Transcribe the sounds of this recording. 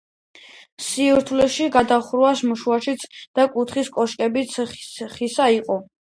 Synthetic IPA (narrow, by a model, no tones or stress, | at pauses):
siuɾt̪ʰlɛʃiɡad̪aχɾasmuʃuaʃit̪sʰd̪̥akʼut̪ʰχiskʼɔʃkʼɛbit̪sʰχisaiqʼɔ